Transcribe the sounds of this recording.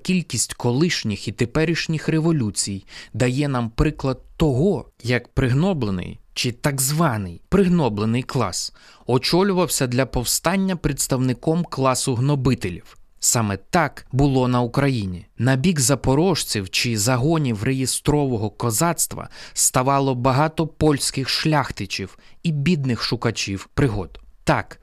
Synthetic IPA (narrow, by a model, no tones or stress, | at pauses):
kʲilʲkʲisʲtʲkɔlˠɪʃnʲixit̪epɛɾʲiʃnʲixreʋɔlʲut͡sʲijd̪ɐjɛnɑmpɾɪklˠɐd̪̚t̪ːɔɦɔjɐkpɾɪɦnɔblˠenɪ̰jt͡ʃɪt̪ɐɡzʋɑnɪjpɾɪɦnɔblˠenɪjklˠɑ̰s | ɔt͡ʃɔlʲʊʋɐwsʲɐd̪lʲɐpɔwst̪ɑnʲːɐpɾet̪st̪ɐwnɪkɔmklˠɑsʊɦnɔbɪt̪elʲiwsɑmɛt̪ɑkbʊlˠɔnɐʊkɾɐjinʲinɐbʲiɡzɐpɔɾɔʃt͡sʲiwt͡ʃɪzɐɦɔnʲiwrejist̪ɾɔʋɔɦɔkɔzɑt̪st̪ʋɐ̰st̪ɐʋɑlˠɔbɐɦɑt̪ɔpɔlʲsʲkɪxʃlʲɑxt̪ɪt͡ʃʲiw | ibʲid̪̚nɪxʃʊkɐt͡ʃʲiwpɾɪɦɔd̪ʊt̪ɑk